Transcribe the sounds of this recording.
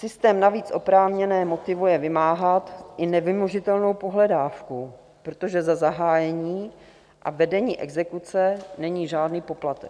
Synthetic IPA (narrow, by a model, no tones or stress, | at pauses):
sɪst̪ɛːmnaviːt͡sʔo̞pɾaːvɲɛnɛːmo̞t̪ɪvujɛvɪmaːɦat̪ʔɪnɛvɪmoʒɪt̪ɛlno̞wpo̞ɦlɛdaːfku | pɾot̪o̞ʒɛzazaɦaːjɛɲiː | ʔa̰vɛdɛɲiːʔɛɡzɛkut͡sɛnɛɲiːʒaːdniːpoplat̪ɛk